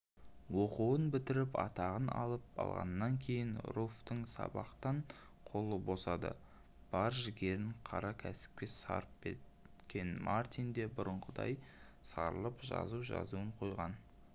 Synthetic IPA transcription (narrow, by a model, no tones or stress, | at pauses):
woquwənbɪt̪ɪɾɪpɑt̪ɑʁənɑ̰lˠəp̚ɑ̰lˠʁɑ̰nːɑŋkʲʰe̞jɪnɾuft̪əɴsɑ̰bɑqt̪ɑɴ | qʰo̞lˠəbo̞sɑd̪ə̰ | b̥ɑɾʒɪɡʲe̞ɾɪɴqʰɑɾɑkʲʰæsɪ̥p̚kʲe̞sɑ̰ɾəp̚ːḛt̪ | kʲe̞nmart̪ind̪e̞bʊɾəɴʁəd̪ɑ̰j | sɑɾəlˠəpʒɑ̰zuwʒɑ̰zuwəɴqʰo̞jʁɑn